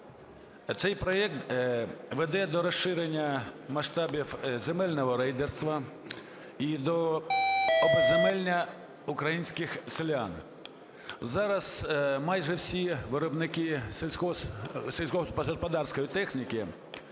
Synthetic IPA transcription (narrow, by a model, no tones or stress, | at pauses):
t̪sɛjpɾɔɛkt̪ | ʋed̪ɛd̪ɔɾɐʃɪɾenʲːɐmɐʃt̪ɑbʲiwzemɛlʲnɔɦɔɾɛjd̪erst̪ʋɐ | id̪ɔ | ɔbɪzemɛlʲnʲɐ | ʊkɾɐjinʲsʲkɪxsɪlʲan | zɑɾɐsmɑjʒɛwsʲiʋɪɾɔbnɪkiselʲsʲkɔselʲsʲkɔɦɔspʲɔspɐd̪ɑrsʲkɔjit̪ɛxnʲikɪ